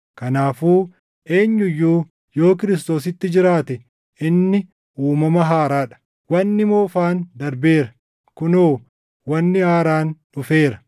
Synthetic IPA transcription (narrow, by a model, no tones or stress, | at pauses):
kɐnaːfuː | e̞ːɲːʊjːuː | jo̞ːk̬ɪɾɪs̬t̪o̞ːs̬ɪt̪ːɪd͡ʒɪɾaːt̪ɛ | ʔɪnːɪ | ʔuːmɐmɐɦaːɾaːᶑɐ̥ | wɐnːɪmo̞ːfaːnd̪ɐɾbe̞ːɾɐ | kʊnoː | wɐnːɪaːɾaːnᶑʊfe̞ːɾɐ